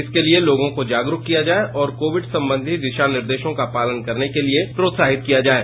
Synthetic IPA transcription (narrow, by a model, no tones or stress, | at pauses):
ɪskelieloːɡõkod͡ʒaːɡɾʊkkːijad͡ʒaːeʔɔːɾkoːʋɪɖsɐ̃mbə̃nd̪ʱiʋ̪ɪʃanɪɾd̪eːʃõkapaːlənkɐɾnekeliepɾoːt̪saːɦɪt̪̚kijad͡ʒaːeː